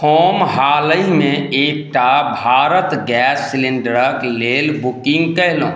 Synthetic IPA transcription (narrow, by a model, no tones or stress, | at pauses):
oːmɦaːləimẽeːk̚ʈabʱaːɾət̪ɡɛːsːɪlɪ̃ɳɖəɾəkleːlbukɪ̃ŋɡkɛɦlõː